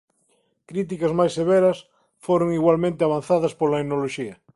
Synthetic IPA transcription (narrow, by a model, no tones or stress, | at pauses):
kɾit̪̬ikɐzmajsːeβɛɾɐs | foɾoŋiɣwalmẽnt̪eaβ̞anθaðɐspolɐenoloʃiɐ